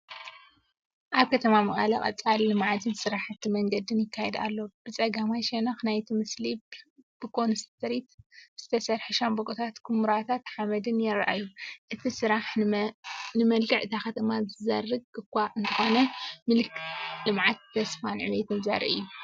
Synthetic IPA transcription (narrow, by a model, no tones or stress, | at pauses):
ʔaβkʰɐt̪ʰɐmamɨχʼa̰lɐ̰ʔʼɐ̰t͡sʼallɨmʕat̪ʰɨnsɨɾaħt̪ʰːimɐŋɡɐd̪ɨnjɪkʰːajed̪a̰lːob̥ɨt͡sʼɐɡamajʃenaxnajt̪ʰimɨslibb̥ɨkʰʼo̞nst̪ʰɐɾit̪z̥ɨt̪ʰɐsɐɾħuʃambokʼut̪ʰat̪kʰumɾat̪ʰat̪ħamɐd̪ɨnjɪɾʔa̰juʔɨt̪ʰisɨɾaħ | nɨmɐlkʰɨʕɨt̪ʰaxɐt̪ʰɐmazɨzɐ̰rːɨɡ̚ɨkʷːaʔɨnt̪ʰɨxo̞nɐmɨlklɨmʕat̪ʰːɐsfanʕɨ̰wjɛt̪ʰɐza̰ɾ̰ʔɨ̰jːu